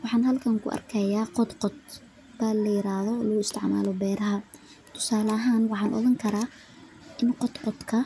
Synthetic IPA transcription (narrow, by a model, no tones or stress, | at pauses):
wɑħɑːnɦɐlkʰɐŋkʰʊ̰ʔɐ̰rkʰɛjaːqɔd̪qɔd̪̚ | b̥aːlɐjɪɾaːðɔːlɐɣʊɪst̪ʰɪʕma̰ːlɔbɛːɾɐɦɐ | t̪ʰʊ̥saːlɐɦaːnwɑħɑːnʔɔ̰ðɐŋkʰɐɾaː | ʔɪnqɔd̪qɔd̪kʰɐ